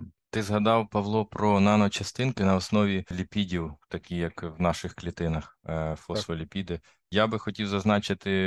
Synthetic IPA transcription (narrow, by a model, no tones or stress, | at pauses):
t̪ɪzɦɐd̪ɑwpɐʋlˠɔpɾɔnɑnɔt͡ʃɐst̪ɪnkɪnɐɔsnɔʋʲilʲipʲidʲiwt̪ɐkʲijɐkwnɑʃɪxklʲit̪ɪnɐxfɔsɔlʲipʲid̪ɪ | jabɪxɔtʲiwzɐznɑt͡ʃɪt̪ɪ